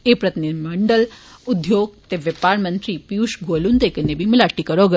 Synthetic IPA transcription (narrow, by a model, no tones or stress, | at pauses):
epɾɐt̪inid̪imɐɳɖəlud̪joːɡ̚t̪eʋjəpaɾmənt̪ɾipiuʃɡolunt̪ekənebʱimilaʈːikəɾoɡə